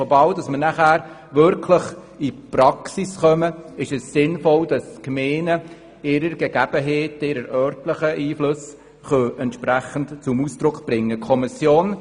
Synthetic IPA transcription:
ɔbɑwdɑsməɾnæχæːɾ | ʋʏɾkʰləχ | ipɾɑksisχœməɪʃɛsːɪnfɔld̥ɑskmeːnə | ɪɾəɾɡ̥ɛɡ̥æb̥əɦeːtɪɾəɾœɾtləχəʔiːflʊs | χœɛntʃpɾæχəntt͡sʊmuːsd̥ɾʊkb̥ɾɪŋːəkʰɔmɪsjoːn

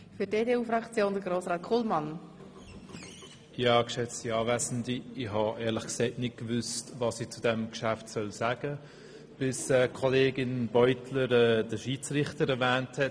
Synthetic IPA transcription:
fydeːdeːuːfɾɑkt͡sjoːndəɡɾoːsɾɑːtkʰoːlmɑn | iɑːkʃɛt͡stiɑːvɛzn̩diiɦɑʔɛːɾləχksɛɪtnɪt̚kvʏstvɑsiːt͡sudɛmkʃaftsœlsaːɡ̥ə | b̥ɪsɛːkʰoleːɡɪnbɔʏtʰləɾɛːd̥əʃiːt͡srɪχtəɾɛɾvɛːnthɛt

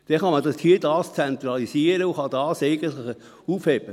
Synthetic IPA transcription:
d̪̥ɛnχɑmɑdɑshiːədɑːst͡sɛnt̪ɾɑlisiəɾəʊχɑd̥ɑːseɪɡəntlɪχə | uːfhɛb̥ə

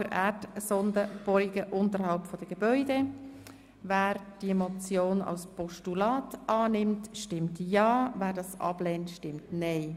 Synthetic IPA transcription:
əɾʔæːɾtsɔndəb̥ɔɾiɡəʔʊntəɾhɑlpfɔd̥əɡ̥ebœʏde | væːɾd̥imɔt͡sjoːnɑ̰lspɔʃtulɑːtʔɑːnɪmtʃtɪmtjɑːvæːɾdɑsɑ̰blɛːntʃtɪmtnɛɪ

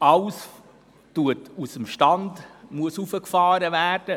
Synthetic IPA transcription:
ɑls | tuətusəmʃtɑndmuəsufəkfɑːɾəvæːrd̥ə

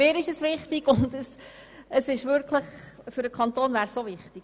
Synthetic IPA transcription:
ɪːɾɪʃəsʋɪχtɪɡʊndəs | əsɪʃʋʏɾkʰləχ | fʏɾəkʰχɑnt̪oːnvæːɾssovɪχtik

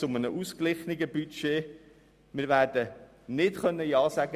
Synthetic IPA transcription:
ʊmənəʔusklɪχniɡəbyʃeː | mɪːɾʋæːɾd̥ə | nɪtχœnːəjɑːsæɡə

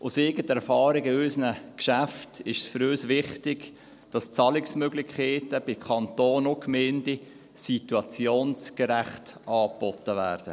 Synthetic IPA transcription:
ʔʊseːɡətɛɾfɑːɾɪɡɪøsənəkʃæftɪʃsfʏɾøːsʋɪχtɪɡ | d̥ɑst͡sɑlɪksmøɡlɪχkʰeːtəb̥ɪkʰɑnt̪oːnokmeːndi | situɑt͡sjoːnskəɾæχtʔɑːpɔtːəvæːrd̥ə̰

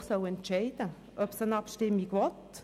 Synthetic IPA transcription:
χsœʊɛntt͡ʃɛɪd̥ə | ʔœpsənɑpʃtɪmːiɡvɔt

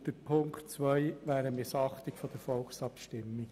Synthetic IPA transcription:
d̥əɾpʰʊŋktt͡sʋœɪʋæːɾəmɪsɑχt̪ɪkfɔd̥̪əɾfɔlksɑpʃtɪmːɪ

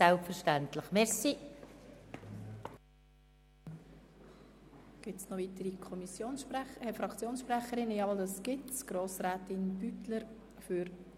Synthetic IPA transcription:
ɛlpfəɾʃtæntləχmɛɾsi | ɡ̥ɪtsnɔvitəɾikʰɔmisjoːnɛfɾɑkt͡sjoːnsʃprɛχəɾɪnəjɑldɑsɡ̥ɪtsɡ̥ɾoːsɾɛːtɪnb̥ytləɾ | fʏɾ

